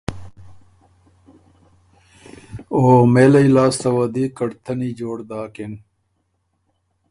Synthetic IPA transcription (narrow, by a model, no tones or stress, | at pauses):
oːmeːlɐjlaːsɐwɐd̪ikɐɽt̪ʰɐnid͡ʑoːɽd̪aːken